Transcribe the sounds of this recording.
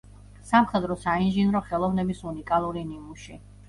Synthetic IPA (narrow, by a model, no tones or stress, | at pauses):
samχɛd̪ɾɔsainʒinɾɔχɛlˠɔvnɛbisunikʼalˠuɾinimuʃi